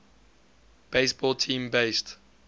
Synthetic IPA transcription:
b̥eɪsbɔlˠtʰĩːmbeɪst

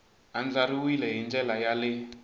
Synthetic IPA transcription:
and͡ɮaɾiwilɛɦind͡ɮɛlajalɪ

